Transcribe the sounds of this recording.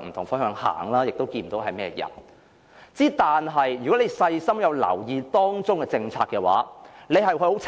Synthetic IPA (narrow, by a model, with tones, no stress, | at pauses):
m̩˨˩t̪ʰʊ˨˩ŋfɐ˥nhœː˨˧˥ŋha̰ː˨˩ŋlaː˥jɪ˨k̚t̪o˥wkiː˧n̩˨t̪o˨˥wɦɐ˨jmɛː˥jɐ̰˨˩n | t͡siː˨˥t̪aː˨nɦɐ˨jɥyː˨kɔ˨˥le˨˧jsɐ˧jsɐ˥mjɐ˨˧wlɐ̰˨˩wjiː˨˧t̪ɔː˥ŋt͡sʊ˥ŋkɛ˧t͡sɪ˧ŋt͡sʰaː˧kːɛː˧wa̰ː˨˥le˨˧jɦɐ˨jhɵ˧ho˨˥t͡sʰ